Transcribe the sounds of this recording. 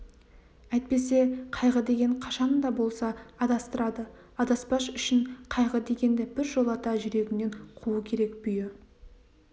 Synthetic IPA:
æjt̪̚pe̞se̞qʰɑjʁəd̪e̞ɡʲe̞ɴqʰɑʃɑnd̪ɑbo̞lˠsɑːd̪ɑst̪əɾɑd̪ə | ɑd̪ɑspɑʃʏʃɪɴqʰɑjʁəd̪e̞ɡʲe̞nd̪ɪbɪɾʒo̞lˠɑt̪ɑʒʏɾe̞ɡʲɪne̞ɴqʰuukʲʰe̞ɾe̞kb̥ʏjɪ

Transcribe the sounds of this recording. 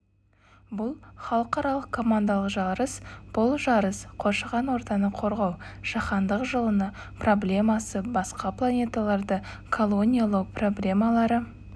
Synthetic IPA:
bʊlˠχɑlˠəqɑɾɑlˠəqkʰːo̞mand̪ɑlˠəqʒɑɾəsb̥ʊlˠʒɑɾəsqʰo̞ʃəʁɑnwo̞ɾt̪ɑnəqʰo̞ɾʁɑwʒ̥ɑχɑnd̪əqʒəlˠənə | pro̞blʲe̞mɑsəbɑsqɑplˠanʲe̞t̪alˠɑɾd̪ə | kʰolˠo̞nʲijalˠəwpro̞blʲe̞mɑlˠɑɾə

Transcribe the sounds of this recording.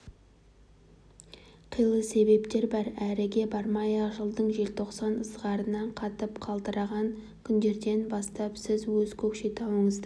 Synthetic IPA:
qʰijlˠəse̞be̞pt̪e̞ɾbɑɾæɾɪɡʲe̞bɑɾmɑjɑʒəlˠd̪əɴʒe̞lt̪ʰo̞qsɑnəzʁɑɾənːɑɴqʰɑt̪əpqʰɑlˠd̪əɾɑʁɑŋ | kʲʰʏnd̪e̞ɾd̪e̞nbɑst̪ɑpsɪzwɵzkʲʰɵpʃe̞t̪ʰɑwəɴəzd̪ə

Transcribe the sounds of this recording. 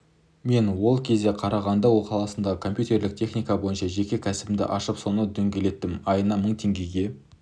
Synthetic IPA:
me̞nwo̞lˠkʲʰe̞zd̪e̞qʰɑɾɑʁɑnd̪ɑwo̞lˠqʰɑlˠɑsənd̪ɑʁəkʰo̞mpjut̪e̞ɾlɪk̚t̪ʰe̞χnijkɑbo̞jənʃɑʒe̞kʲe̞kʲʰæsɪbɪmd̪ɪ̰ʔɑʃəpso̞nəd̪ɵŋɡʲe̞le̞t̪ːɪmɑjənɑməɴt̪ʰe̞ŋɡʲe̞ɡʲe̞

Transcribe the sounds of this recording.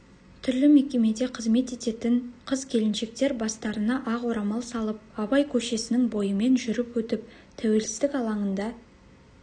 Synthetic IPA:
t̪ʰʏɾlɪme̞kʲe̞me̞d̪e̞qʰəzme̞t̪e̞t̪e̞t̪ɪɴqʰəzkʲʰe̞lɪnʃe̞k̚t̪e̞ɾbɑst̪ɑɾənɑʔɑʁwo̞ɾɑmɑlˠsɑlˠəp̚ɑbɑjkʲʰɵʃe̞sɪnɪŋbo̞jəme̞nʒʏɾɪpwɵt̪ɪp̚ | t̪ʰæwe̞lsɪ̥zd̪ɪkɑlˠɑɴənd̪ɑ

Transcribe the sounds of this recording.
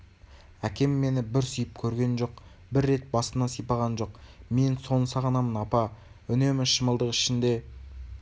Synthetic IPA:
ækʲe̞mːe̞nɪbɪɾsʏjɪpkʲʰɵɾɡʲe̞nʒo̞q̚ | bɪɾːe̞t̪̚bɑsənɑsijpɑʁɑnʒo̞qme̞nso̞nəsɑʁənɑmənɑpɑ | ʏne̞mɪʃəməlˠd̪əqɪʃɪnd̪e̞

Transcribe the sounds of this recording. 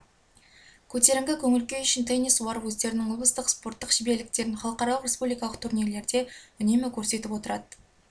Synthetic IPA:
kʲʰɵt̪e̞ɾɪŋɡʲɪkʲʰɵŋɪlkʲe̞ʏʃɪnt̪ʰejnisuɑɾəwɵzd̪e̞ɾɪnɪŋʊlˠbəst̪əqspo̞rt̪ːəqʒ̥ɪbe̞lɪk̚t̪e̞ɾɪnχɑlˠəqɑɾɑlˠəqrʲespublijkɑlˠəq̚t̪ʰuɾnijɾle̞ɾd̪e̞ʏne̞mɪkʲʰɵɾse̞t̪ɪpwo̞t̪əɾɑd̪ə

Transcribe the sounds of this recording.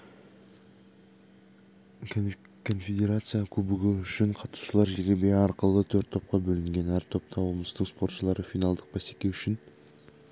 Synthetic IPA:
kʰo̞nfʲed̪ʲe̞ɾat̪sɨjakʲʰɵbɪɡʲɪʏʃɪɴqʰɑt̪u̥ʃəlˠɑɾʒeɾɡʲebeɑɾqəlˠət̪ʰɵɾt̪ʰːo̞p̚qɑbɵlɪŋɡʲe̞næɾt̪ʰo̞p̚t̪ʰɑwoməst̪əɴspo̞ɾt̪ʃəlˠɑɾəfijnɑlˠd̪əq̚bæse̞kʲe̞wʏʃɪn

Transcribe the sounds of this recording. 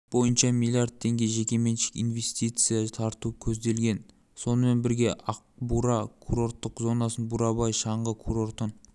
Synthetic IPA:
b̥o̞jənʃɑmilˠijard̪̚t̪ʰːe̞ŋɡʲe̞ʒe̞kʲe̞me̞nʃɪ̥kʲḭnve̞st̪ijt̪sɨjɑt̪ʰɑɾt̪ukʲʰɵzd̪e̞lɡʲe̞n | so̞nəme̞nbɪɾɡʲe̞ʔɑq̚buɾɑkʰuɾo̞rt̪ːəqzo̞nɑsənbuɾɑbɑjʃɑɴʁəkʰuɾo̞ɾt̪ən

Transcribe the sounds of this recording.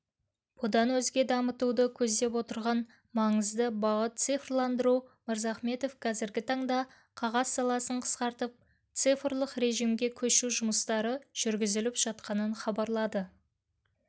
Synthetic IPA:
b̥ʊd̪ɑnwɵzɡʲe̞d̪ɑmət̪ud̪əkʲʰɵzd̪e̞pwo̞t̪əɾʁɑn | mɑɴəzd̪əbɑʁət̪̚t̪sijfrlˠɑnd̪əɾuməɾzɑχme̞t̪o̞fqʰɑzɪɾɡʲɪt̪ʰɑɴd̪ɑ | qʰɑʁɑzsɑlˠɑsəɴqʰə̥sqɑɾt̪əp̚ | t̪sɨjfrlˠəqɾe̞ʒijmɡʲe̞kʲʰɵʃuʒʊməst̪ɑɾəʒ̥ʏɾɡʲɪzɪlɪpʒ̥ɑt̪̚qɑnənχɑbɑɾlˠɑd̪ə

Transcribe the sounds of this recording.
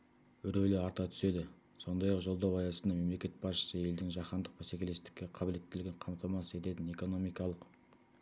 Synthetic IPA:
ʏɾelɪɑɾt̪ɑt̪ʰʏ̥se̞d̪ɪ | so̞nd̪ɑjɑqʒo̞lˠd̪ɑwɑjɑsənɑme̞mle̞kʲe̞t̪̚bɑsʃə̥səe̞ld̪ɪŋʒɑqɑnd̪əq̚pæsekʲe̞le̞st̪ɪ̥kʲːe̞qʰɑbɪle̞t̪ːɪlɡʲeɴqʰɑmt̪ʰɑmɑsəe̞t̪e̞t̪ɪne̞ko̞no̞mijkɑlˠəq

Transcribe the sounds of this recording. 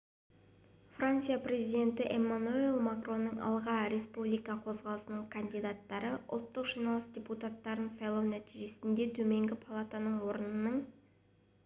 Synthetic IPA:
frant̪sɨjapre̞zijd̪ʲe̞nt̪ɪʔemːanuelˠmakro̞nːəɴɑ̰lˠʁɑɾe̞spublijkɑqʰo̞zʁɑlˠəsənəɴkʰand̪ijd̪at̪ːɑɾəʔʊ̰lˠt̪ːəqʒijnɑlˠəsd̪ʲeput̪at̪ːɑɾənsɑjlˠɑwnæt̪iʒe̞sɪnd̪e̞t̪ʰɵme̞ŋɡʲɪpʰalˠat̪anəɴwo̞ɾənənəɴ

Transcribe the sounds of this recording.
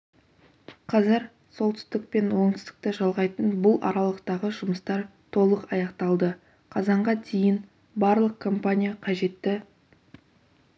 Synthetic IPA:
qʰɑzɪɾ | so̞lˠt̪ʰʏ̥st̪ɪk̚pe̞nwo̞ŋt̪ʏ̥st̪ɪk̚t̪ɪʒɑlˠʁɑjt̪ənbʊlˠʔɑ̰ɾɑlˠəqt̪ɑʁəʒʊməst̪ɑɾt̪ʰo̞lˠəqɑjɑqt̪ɑlˠd̪ə | qʰɑzɑɴʁɑd̪ejɪn | bɑɾlˠəq̚kʰo̞mpanʲijaqʰɑʒe̞t̪ːɪ

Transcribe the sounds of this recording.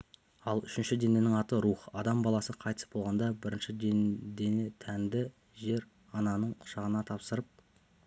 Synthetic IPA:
ɑlˠʏʃɪnʃɪd̪e̞ne̞nɪŋɑt̪əɾuχɑd̪ɑmbɑlˠɑsəqʰɑjt̪ə̥sbo̞lˠʁɑnd̪ɑbɪɾɪnʃɪd̪d̪enet̪ʰænd̪ɪ | ʒe̞ɾ | ɑnɑnəɴqʰʊ̥ʃɑʁənɑt̪ʰɑpsəɾəp̚

